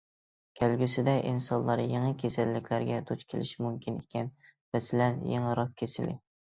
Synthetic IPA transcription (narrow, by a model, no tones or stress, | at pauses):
kʲʰælɡʲysɪd̪ɛʔḭnsɑnlˠɑɾjeŋɨkʲʰesælːɪkʲʰlæɾɡʲɛd̪ut͡ʃkʲʰelʔɪ̰ʃmumkʲinekʲʰɛnvɛsɪlɛnjḛŋɨɾɑq̚kʰʲesɪlɪ̰